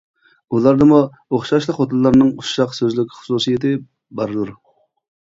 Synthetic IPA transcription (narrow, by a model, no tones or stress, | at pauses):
ulˠɑɾd̪ɨmu | oχʃɑʃlˠəχot̪ʰɨlˠːɑɾnɨŋuʃɑqsøzlɪkʲʰːχʊ̥susijet̪ɪ | bɑɾɨd̪uɾ